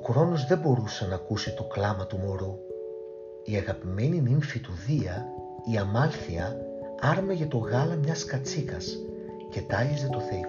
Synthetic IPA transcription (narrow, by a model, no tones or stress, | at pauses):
okɾo̞no̞zðe̞bo̞ɾusɐnɐːkusit̪o̞klɐmɐt̪umo̞ɾu | iɐɣɐpime̞niniɱfit̪uðiɐ | iɐmɐlθiɐ | ɐɾmeʝɐt̪o̞ɣɐlɐmɲɐskɐt͡sikɐs | ce̞t̪ɐlize̞t̪o̞θe̞i